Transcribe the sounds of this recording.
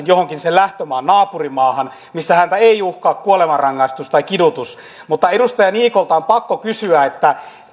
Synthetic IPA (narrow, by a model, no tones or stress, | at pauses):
njohoŋkinsellæht̪ømæːnnɑːpurimɑːhɑn | misːæhænt̪æeijuhkɑːkkuolemɑrɑŋːɑist̪ust̪ɑikidut̪us | mut̪ːɑedust̪ɑjɑniːkolt̪ɑompɑkːokysyæet̪ːæ